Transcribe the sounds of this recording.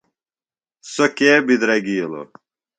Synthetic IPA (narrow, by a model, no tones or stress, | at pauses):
sokeːbid̪ɾɐɡijlo̰